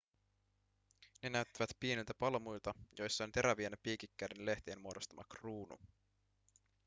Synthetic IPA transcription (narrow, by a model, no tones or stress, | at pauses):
ne̞næyt̪ːæʋæt̪piːnilt̪æpɑlmujlt̪ɑjo̞jsːɑont̪e̞ɾæʋienæpːiːkikːædenle̞ht̪eːnmuo̞do̞st̪ɑmʔɑ̰kruːnṵ